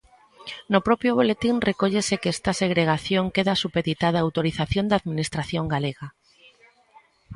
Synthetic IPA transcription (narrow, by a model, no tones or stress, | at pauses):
nopɾopjoβ̞olet̪inrekoʎesekeest̪aseɣ̞ɾeɣaθjoŋkeðasupeðit̪aðaːwt̪oɾiθaθjond̪aðminist̪ɾaθjoŋɡaleɣa